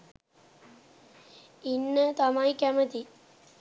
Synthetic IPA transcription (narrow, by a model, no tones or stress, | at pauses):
inːət̪ɐmaːjkæmɐt̪i